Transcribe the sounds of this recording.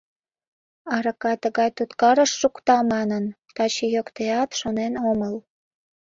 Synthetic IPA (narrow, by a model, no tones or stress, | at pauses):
ɑɾəkɑjt̪əɣɑjt̪ut̪kɑɾəʃːukt̪ɑmɑnən | t̪ɑt͡ɕijokt̪eɑt̪ʃonenoməl